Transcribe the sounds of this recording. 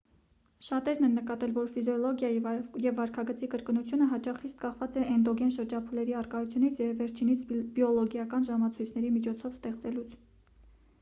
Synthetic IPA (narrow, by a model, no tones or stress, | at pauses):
ʃɑt̪ɛɾnɛnːəkɑt̪ɛlvɔɾfizjɔlɔɡjɑjjɛvːɑɾkʰɑɡət͡sikəɾknut͡sʰjunəɦɑt͡ʃɑχːist̪kɑχvɑt͡sɛʔɛnd̪ɔɡɛnʃəɾd͡ʒɑpʰulɛɾiɑrkɑjut͡sʰjunit͡sʰjɛvːɛɾt͡ʃʰinit͡sʰbjɔlɔɡjɑkɑnʒɑmɑt͡sʰujt͡sʰn̪ɛɾimit͡ʃʰɔt͡sʰɔvst̪ɛχt͡sɛlut͡sʰ